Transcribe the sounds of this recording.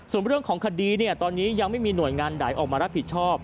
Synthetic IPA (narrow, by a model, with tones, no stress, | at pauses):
su˨˩ənɾɯ˥˩əŋkʰɔː˩˦ŋkʰa˧diː˧ni˥˩ət̪ɔː˧nːiː˦˥ja˧ŋma˥˩jmiː˧nu˨˩əjŋaː˧ndaː˩˦jʔɔː˨˩k̚maː˧ɾa˦˥pʰi˨˩t̪̚t͡ɕʰɔː˥˩p̚